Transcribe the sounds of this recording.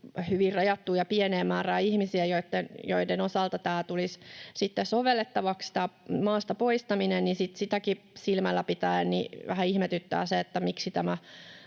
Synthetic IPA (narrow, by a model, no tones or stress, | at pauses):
hyʋirrɑjɑt̪ːuːjɑpieneːmæːræːihmisiæjoit̪ːenjo̰idenosɑlt̪ɑt̪æːt̪ulissit̪ːesoʋelːet̪ːɑʋɑkst̪æmɑːst̪ɑpoist̪ɑminennisit̪sit̪æki | silmælːæpit̪æːnnḭʋæ̰hæihmet̪yt̪ːæ̰ːseet̪ːæmiksit̪æmæ